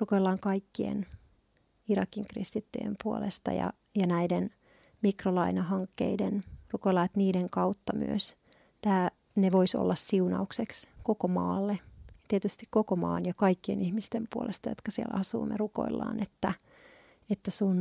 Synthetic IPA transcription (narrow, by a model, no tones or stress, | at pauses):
rukoilːɑːŋkɑikːiḛn | irɑkiŋkrḭst̪it̪ːy̰jḛmpuo̰lḛst̪ɑ̰jɑ̰ | jɑnæiden | mikrolɑinɑɦɑŋkːḛidenrukoilːɑːet̪niːdeŋkɑut̪ːɑmy̰øs | t̪æː | neʋoiso̰lːɑssiunɑuksekskokomɑ̰ːlːet̪iet̪yst̪ikkokomɑ̰ːnjɑkɑikːiḛnihmist̪empuo̰lʔest̪ɑjot̪kɑsiḛlʔɑsṵːmḛruko̞̰ilːɑ̰ːnet̪ːæ | et̪ːæsun